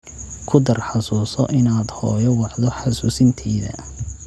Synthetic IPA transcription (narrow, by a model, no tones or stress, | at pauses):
kʰʊd̪ɐrħɑsuːsɔʔɪnaːd̪hɔːjɔwɑʕd̪ɔħɑsuːsɪnt̪ʰɛːðɐ̰